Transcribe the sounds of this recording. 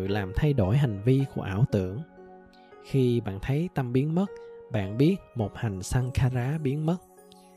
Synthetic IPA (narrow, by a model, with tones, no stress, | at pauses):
laː˨˩mt̪ʰa˧jɗo˧˩jɦa˨˩ŋ̟vi˧ku˧˩əʔaː˧˩wt̪ɨ̰˧˨əŋ | xi˧ɓa̰ː˧˨nt̪ʰə˨˦jt̪a˧mɓi˨˦ənmə˦˥t̚ɓa̰ː˧˨nɓi˦˥ət̚mo˨˩t̚ha˨˩jŋ̟sa˧ŋxaː˧zaː˨˦ɓi˨˦ənmə˦˥t̚